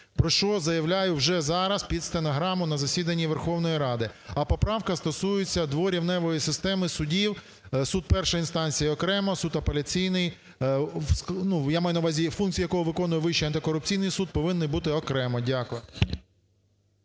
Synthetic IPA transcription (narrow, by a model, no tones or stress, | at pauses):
pɾɔʃt͡ʃɔzɐjɐʋlʲajʊwʒɛzɑɾɐspʲid̪st̪enɔɦɾɑmʊnɐzɐsʲid̪ɐnʲːiʋerxɔwnɔjiɾɑd̪ɪɐpɔpɾɑwkɐst̪ɔsujʊt͡sʲːɐd̪ʋɔɾʲiwnɛʋɔjisɪst̪ɛmɪsʊdʲiw | sud̪̚pɛrʃɐinst̪ɑnʲt͡sʲijɐɔkɾɛmɐsud̪ɐpelʲɐt͡sʲijnɪj | wsnujamɑjʊnɐwʋɑzʲifunk̚t͡sʲjɐkɔɦɔʋɪkɔnʊjɛʋɪʃt͡ʃiɐnt̪ɪkɔɾʊp̚t͡sʲijnɪjsud̪̚pɔʋɪnːɪjbut̪ɪɔkɾɛmɔdʲakʋɛ